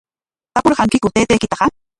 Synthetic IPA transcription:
t̪apuɾxaŋkikut̪eːt̪eːkit̪aqa

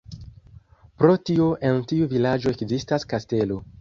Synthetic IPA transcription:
pɾo̞tio̞ʔe̞ntiuvilad͡ʒo̞ekzistaskaste̞lo̞

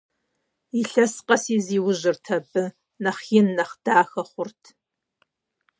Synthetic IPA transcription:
iɬɐsqʼɐsiːziːwʊʒɪrtʰɐbɨ | nɐχjɪnːɐχd̥aːxɐχʷʊrtʰ

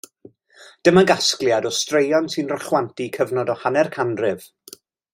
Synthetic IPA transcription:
d̥əməɡasklˠjadɔstrejɔnsɨnrɔχwantikʰəvnɔdɔhanɛrkʰandrɪv̥

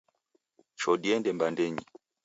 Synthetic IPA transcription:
t͡ʃɔdiɛndɛmbandɛɲi

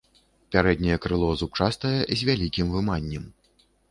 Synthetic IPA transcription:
pʲaɾɛd̪̚ʲnʲɐjɛkɾɨlˠɔzut͡ʂast̪ɐjɛzʲvʲalʲikʲimvɨmanʲːɛm

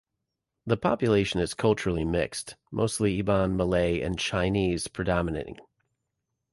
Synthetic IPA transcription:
ðəpʰɑ̰pjɨleɪʃɨ̃nɨz̥kʰʌlˠt͡ʃə˞l̩ˠimɪ̰kstmʔo̰ʊstˡliibɑ̃nməleɪɨ̰̃nt͡ʃʰãɪ̃niz̥pʰɹ̥ɨdɑməɨneɪɾɪ̰̃ŋ

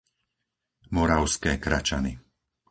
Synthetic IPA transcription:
mɔɾaʊskɛːkɾat͡ʃani

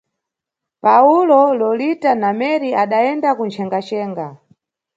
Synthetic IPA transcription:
paulɔlɔlitanamɛɾiaɗaɛndakunt͡ʃʰɛŋɡat͡ʃɛːŋɡa

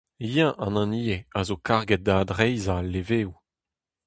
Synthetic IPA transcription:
jɛ̃ʔɑ̃nɑ̃niːeazokaʁɡɛt̚d̪aːd̪ʁɛjzalːeveːu

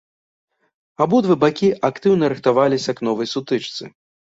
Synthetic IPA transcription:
abud̪vɨbakʲiʔakt̪ɨwnɐɾɨxt̪avalʲisʲɐknɔvɐjsut̪ɨt͡ʂt̪sɨ̰

